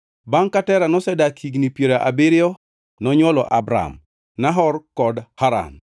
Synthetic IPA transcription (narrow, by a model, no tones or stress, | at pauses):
baŋkatɛɾanɔsɛdakʰiɡnipjeɾaʔabiɾɪɔ | nɔɲwɔlɔʔabɾa̰m | naɦɔrkɔdhaɾa̰n